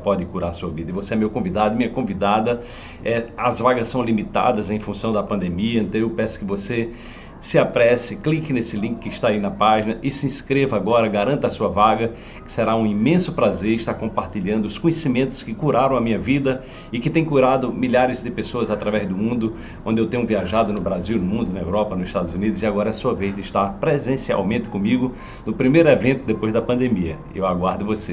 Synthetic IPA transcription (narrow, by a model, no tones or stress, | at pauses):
pɔd̪ɪkuɾaɾsuɐvid̪ɐɪvoseɛmewkõvid̪ad̪ʊmĩɲɐkõvid̪ad̪ɐ | ɛɐzvaɡɐssːɐ̃w̃limit̪a̰d̪ɐzẽj̃fũsɐ̃w̃d̪ɐpɐ̃nd̪emiɐẽnt̪ɐ̃ewpɛ̃sʊ̥kɪvose | sɪapɾɛsɪklikɪnesɪlĩkɪ̥kːɪɪʃt̪aːinɐpaʒinɐʔɪsɪĩskɾevɐaɡɔɾɐɡaɾɐ̃nt̪ɐsuɐvaɡɐ | kɪ̥seɾaũimẽsʊpɾazeɾɪʃt̪aɾkõpaɾt̪iʎɐ̃nd̪ʊʊskõɲesimẽnt̪ʊ̥skɪkuɾaɾɐ̃w̃ɐmĩɲɐvid̪ɐ | ɪkɪt̪ẽj̃kuɾad̪ʊmiʎaɾɪzd̪ɪpesoɐzat̪ɾavɛzd̪ʊmũnd̪ʊ | õnd̪ɪewt̪ẽɲ̃ʊ̃viaʒad̪ʊnʊbɾaziwnʊmũnd̪ʊnɐḛwɾɔpɐnʊzɪʃt̪ad̪ʊzunid̪ʊzɪiaɡɔɾɐɛasuɐved̪ɪʃt̪aɾpɾezẽsia̰wmẽnt̪ɪ̥kõmiɡʊ | nʊpɾimejɾʊɛvẽnt̪ʊd̪epojzd̪ɐpɐ̃nd̪emiɐ̰ | ḛwaɡwaɾd̪ʊvose